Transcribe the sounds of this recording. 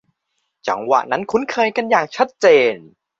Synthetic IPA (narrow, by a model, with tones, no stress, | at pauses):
t͡ɕa̰˩˦ŋwa̰˧˩ʔna˦˥nkʰu˧˥nkʰɤː˧jka˧njaː˨˩k̚t͡ɕʰa˦˥t̪̚t͡ɕeː˧n